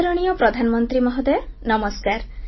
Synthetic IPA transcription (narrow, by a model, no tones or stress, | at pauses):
ɾɔɽ̃ijɔpɾɔd̪ʱanɔmɔnt̪ɾimɔɦɔd̪enɔmɔskaɾ